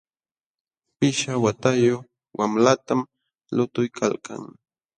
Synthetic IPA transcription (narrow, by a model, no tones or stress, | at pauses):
pɪʃawat̪ajo | wamlat̪am | lʊt̪ʊjkʰalka̰ŋ